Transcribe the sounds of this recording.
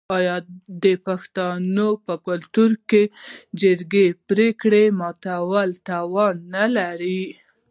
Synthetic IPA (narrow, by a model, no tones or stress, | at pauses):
ɑjɑd̪əpaxt̪ɑnopəkʊlt̪uɾked͡ʒɪɾɡepɾekɽemɑt̪awalt̪awɑnːalaɾi